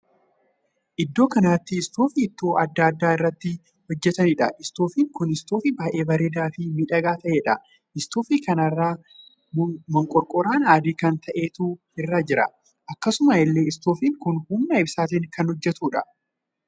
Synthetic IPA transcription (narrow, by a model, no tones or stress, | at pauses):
ʔɪd̪ːo̞ːkɐnaːt̪ːɪːst̪oːfɪːt̪ːoːʔɐd̪ːɐːɐd̪ːaːɪrːɐt̪ːɪ | hɔd͡ʒːɛt̪ɐnɪᶑɐ̰ʔɪst̪oːfiːŋkʊnɪst̪oːfɪbaːʔe̞ːbɐɾeːd̪aːfɪmiːᶑɐɡaːt̪ɐʔe̞ːᶑɐ | ʔɪst̪oːfikɐnɐrːaː | mɔŋkʼɔɾkʼɔɾaːnaːd̪iːkɐnt̪ʰɐʔe̞ːt̪uː | ɪrːaːd͡ʒɪɾɐ̰ | ʔɐkːɐsʊmɐɪlːe̞ːɪst̪oːfiːŋkʊnhʊmnɐɪbsaːt̪̬ɪŋkɐnhɔd͡ʒːɛt̪uːᶑɐ̰